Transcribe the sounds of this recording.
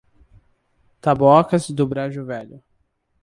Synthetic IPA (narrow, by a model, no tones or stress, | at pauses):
t̪abɔkɐzd̪ʊbɾaʒʊvɛʎʊ